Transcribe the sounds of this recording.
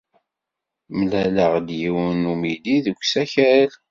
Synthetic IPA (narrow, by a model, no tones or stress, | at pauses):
mlæləʁd̪jiwənumidiðəkʷːsæçæl